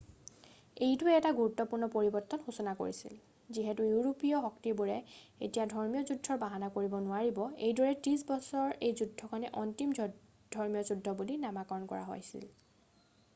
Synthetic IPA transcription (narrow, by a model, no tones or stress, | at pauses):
ejtuɛɛtaɡuɹutːɔpuɹnɔpoɹibɔɹtːɔnxusɔnako̰ɹisḭl | ziɦɛtujuɹopijɔxɔktibuɹɛḛtijadʱɔɹmijɔzudʱɔɹbaɦanakoɹibɔnʊaɹibɔejdɔɹɛtɹis̬bɔsɔɹejzudʱːɔkanɛʔɔntim | d̥ʱɔɹmijɔzudʱːɔbulinamakɔɹɔnkɔ̰ɹa̰ɦo̰jsḭl